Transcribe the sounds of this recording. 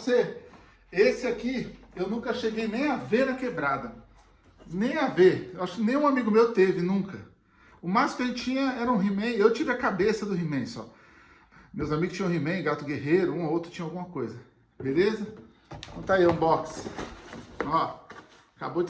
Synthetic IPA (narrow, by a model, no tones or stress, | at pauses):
ose | esɪakiewnũkɐʃeɡejnẽj̃avenɐkebɾad̪ɐ | nẽj̃aveɾewaʃʊ̥kɪnẽj̃ũamiɡʊmewt̪evɪnũkɐ | ʊmasʊkɪɐʒẽt͡ʃɪt͡ʃĩɲɐɛɾɐũɦimẽj̃ewt͡ʃivɪɐkabesɐd̪ʊɦimẽj̃sɔ̰ | mewzamiɡʊst͡ʃĩɐ̃himẽj̃ɡat̪ʊɡeɦejɾʊũowt̪ɾʊt͡ʃĩɲɐawɡũmɐkojzɐ | belezɐ | kõmt̪aiũbɔks | ɔ | aka̰bod͡ʒ